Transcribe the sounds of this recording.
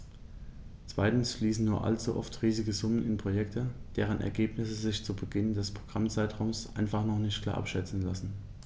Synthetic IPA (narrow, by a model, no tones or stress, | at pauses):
t͡sv̥aɪtn̩sfliːsn̩nuːɐʔa̰lt͡suʔɔ̰ftʁiːzɪɡəzʊmənɪnpʁ̥ojɛktʰəd̥eːʁ̞ənʔɛ̰ɐɡeːpnɪsəzɪçt͡subəɡɪndɛspʁ̥oɡ̥ʁamt͡saɪtʁaʊmsʔa̰ɪnfaχnɔχnɪçtkʰl̥a̰ːɐʔa̰pʃɛt͡sn̩lasn̩